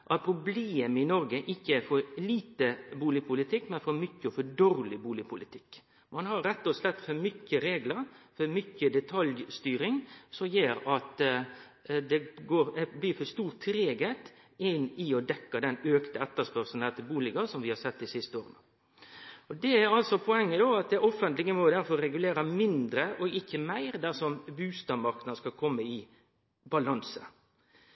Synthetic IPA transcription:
ʔɑt̪̚pʰɾʊbleːmɪnɔɾɡəʔɪçːəæfɔɾliːt̪əbuːlɪpʰʊlɪt̪ʰɪkːmɛnfɔɾmʏçːəɔfɔd̪oɾlɪbuːlɪpʰʊlɪt̪ʰɪkː | mɑnhɑɾɾɛt̪ːɔslɛt̪ːfɔɾmʏçəɾeːɡləɾfɔɾmʏçəd̪ɛt̪ʰɑljst̪yːɾɪŋsɔmjeːɾɑt̪ | d̪ɛɡoːɾɛbliːfɔɾst̪uːɾt̪ʰːɾeːɡət̪ | ɪnɪɔd̪ɛkːɑd̪ɛnøːkt̪əɛt̪ːəspœɾsn̩ɛt̪ːəbuːlɪɡɑsɔmʋɪhɑɾsɛt̪ːɪsɪst̪əoːɾənə | ɔd̪ɛæɾɑlsɔpʰɔɛŋːəd̪oɑt̪̚d̪ɛʔɔfːənt̪lɪɡəmɔd̪æɾfɔɾɾɛɡʉleːɾəmɪnd̪ɾəʔɔɪçːəmæɪɾd̪æʂɔmbʉːst̪ɑmɑɾknnɑskɑlkʰɔmːəɪ | bɑlɑnsə

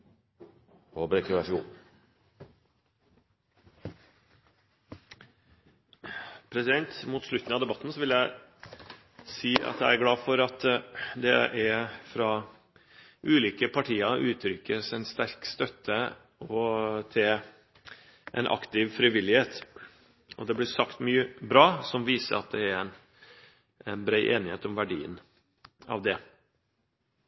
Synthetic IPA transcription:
obɾɛkɾʋæʂʊ | pʰɾɛsɪd̪ɛnt̪muːt̪ʂlʉt̪n̩ɑʋd̪ɛbɑt̪ːn̩sɔʋɪljæɪ | siːʔɑ̰t̪jæɪæɾɡɽɑːfɔɾɑt̪d̪ɛʔæɾfɾɑː | ʔʉːliːkəpʰɑʈʰiːɑʔʉːt̪ʰɾʏkːəsænst̪æɾkst̪œt̪ʰːə | ɔt̪ʰɪl | ʔɛ̰nʔɑ̰kt̪ɪʋfɾɪʋɪlːɪheːt̪ | ɔd̪ɛblɪsɑkt̪myːəbɾɑːsɔmʋiːsə̰ɾɑt̪̚d̪ɛæɾæn | ɛnbɾæɪʔḛːnɪhḛːt̪ɔmʋæɖḭːə̰n | ɑ̰ʋd̪ɛ

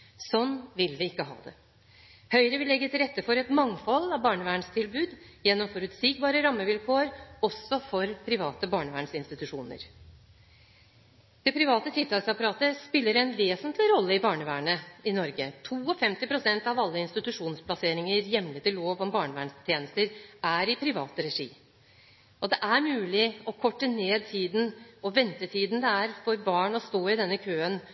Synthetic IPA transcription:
sɔnːʋɪlʋɪɪkːəɦɑ̰ːd̪ɛ̰ | hœʏɾəʋɪlːɛɡːət̪ʰɪlɾɛt̪ːəfɔɾɛt̪mɑŋfɔlːɑʋbɑːɳəʋæːɳst̪ʰɪlbʉːd̪jɛnːɔmfɔɾʉt̪siːkbɑːɾəɾɑmːəʋɪlkʰoːəɾɔsɔfɔɾpʰɾɪʋɑːt̪əbɑːɳəʋæːɳsɪnst̪ɪt̪ʉʂuːnə̰ɾ | d̪̥ɛpʰɾɪʋɑːt̪ət̪ʰɪlt̪ɑːlsɑpɑɾɑːt̪əspɪlːəɾɛnʋeːsənt̪lɪɾɔlːəɪbɑːɳəʋæːɳəɪnɔɾɡət̪ʰuːɔfɛmt̪ɪpʰɾʊsɛnt̪ɑʋɑlːəɪnst̪ɪt̪ʉʂuːnspʰlɑseːɾɪŋəɾjɛmlət̪ʰɪlːoːʋɔmbɑːɳəʋæːɳst̪ʰjeːnəst̪əɾæɾɪpʰɾɪʋɑːt̪əɾɛʂḭː | ʔɔd̪ɛʔæɾmʉːlɪɔkʰɔʈːəneːd̪̚t̪ʰiːd̪n̩ɔʋɛnt̪ət̪ʰiːd̪nd̪ɛæɾfɔɾbɑːɳɔst̪oːɪd̪ɛnːəkʰøːən

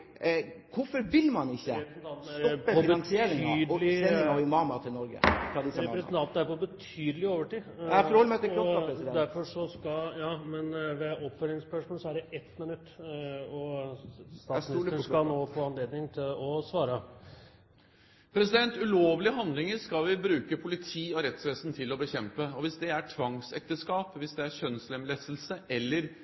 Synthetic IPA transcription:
kʊfɔɾʋɪlmɑnɪçːə̰ɾɛpɾɛsnt̪ʰɑnt̪n̩æɾpɔbənsɪːɾɪd̪lɪeɔɪmɑːmɑt̪ʰɪlnɔɾɡə̰fɾɑd̪ɪsɾɛpɾɛsət̪ʰɑnt̪n̩æɾpɔbət̪ʰyːd̪əlɪoːʋəʈiːɔɾhɔləmt̪ːɔɔɾɛsɛd̪æɾfɔʂɔskɑjɑːmɛnʋɛɔpfœlɪŋspœʂmɔlsɔæɖɛʔɛt̪mɪnʉt̪ːɔ | st̪ɑːsɑnoːfoːɑnleːd̪nɪŋt̪ʰɪlɔsʋɑːɾə | pʰɾɛsɪd̪ɛnt̪ʉloːʋlɪəɦɑnd̪lɪŋəɾʂkɑlʋɪbɾʉːkəpʰʊlɪt̪ʰiːɔɾɛt̪sʋeːst̪n̩t̪ʰɪlɔbəçɛmpəɔʋɪsd̪ɛæʈʰʋɑŋsɛk̚t̪əskɑːpʋɪsd̪ɛæɾçœnslɛmlɛsl̩səʔɛlːəɾ

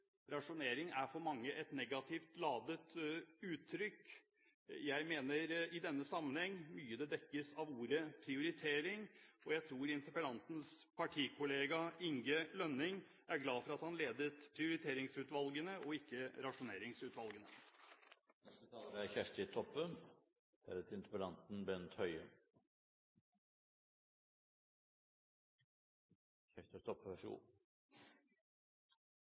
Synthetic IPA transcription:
ɾɑʂʊneːɾɪŋæfɔɾmɑŋːəʔɛt̪nɛɡɑt̪ʰɪft̪lɑːd̪ət̪ʉːt̪ʰːɾʏkː | jæɪmeːnəɾɪd̪ɛnːəsɑmːənhɛŋːmyːəd̪ɛd̪ɛkːəsɑʋuːɾəpʰɾɪʊɾɪt̪ʰeːɾɪŋɔjæɪt̪ʰɾuːɾɪnt̪əɾpəlɑnt̪n̩spʰɑʈʰiːkʰʊleːɡɑɪŋɡəlœnɪŋ | æɾɡlɑːfɔɾɑt̪hɑnleːd̪ət̪pʰɾɪʊɾɪt̪ʰeːɾɪŋsʉːt̪ʋɑlɡənəʔɔɪkːəɾɑʂʊneːɾɪŋsʉːt̪ʋɑlɡənə | ɛət̪ʰɑæçæʂt̪ɪt̪ʰɔpːəm | hɛɾət̪ɪnt̪əpəlɑnt̪n̩bɛnt̪hœʏə | çæʂt̪ət̪ʰɔpːʂṵː

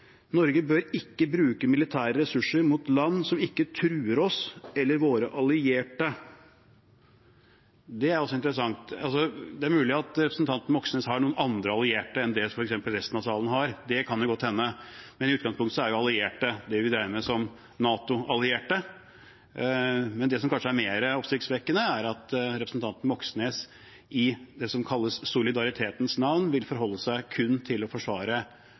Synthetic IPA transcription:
nɔɾɡəbøɾɪkːəbɾʉːkəmɪlɪt̪ʰæːɾəɾɛsʉʂːəɾmʊt̪lɑnːsɔmɪkːət̪ʰɾʉːəɾɔsɛlːəɾʋoːɾəʔɑlɪeːʈə | d̪ɛæɾɔsːɔɪnt̪əɾəsɑŋt̪ɑlsɔd̪ɛæɾmʉːlɪɑt̪ɾɛpɾəsn̩t̪ʰɑnt̪ən̩ʋɔksənəshɑɳuːənɑnd̪ɾəɑlɪeːʈəɛnd̪ɛfɔɾɛksɛmpəlɾɛst̪nɑʋsɑːlənɦɑɾd̪ɛkʰɑnjʊɡɔt̪ːhɛnːəmɛnɪʉːt̪ɡɑŋspʊŋt̪sɔæɾjʊɑlɪeːʈəd̪ɛʋɪd̪ɾæɪəmɛsɔm | nɑːt̪ʊɑlɪeːʈə | mɛnd̪ɛsɔmkʰɑnʂəæɾmeːɾəɔpsɪkt̪sʋɛkːənəæɾɑt̪ɾɛpɾəsn̩t̪ɑnt̪n̩ʋɔksneːs | ɪd̪ɛsɔmkʰɑlːəssʊlɪd̪ɑɾɪt̪ʰeːt̪ənsnɑʋnʋɪlfɔɾɦɔlːəsæɪkʰʉnːt̪ʰɪlːɔfɔʂʋɑːɾə

